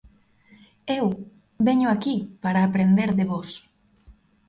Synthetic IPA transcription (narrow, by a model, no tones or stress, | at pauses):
ew | βeɲʊakipaɾaːpɾend̪eɾðeβos